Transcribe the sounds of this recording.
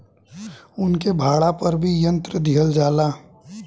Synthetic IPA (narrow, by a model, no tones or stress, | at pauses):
ʊnkebʱaːɽapɐɾbʱijə̃nt̪ɾəd̪iɦəld͡ʒaːlaː